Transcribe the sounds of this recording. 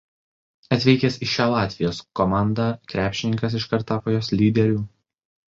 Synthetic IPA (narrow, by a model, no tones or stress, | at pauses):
ɐt̪ʲʋʲɛɪkʲɛːsɪʃʲæːlˠɑːt̪ʲʋʲɪjoːskɔmɑˑnd̪ɑːkɾʲæːpʲʃʲɪnʲɪŋkɐs̬ɪʃkɐɾt̪ɑːpoːjoːslʲiːd̪ʲɛɾʲuː